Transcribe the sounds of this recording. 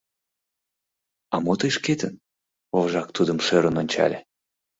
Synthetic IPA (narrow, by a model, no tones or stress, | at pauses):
ɑmot̪əjʃket̪ən | ovʒɑk̚t̪ud̪əmʃøɾənonʲt͡ɕɑ̰lʲe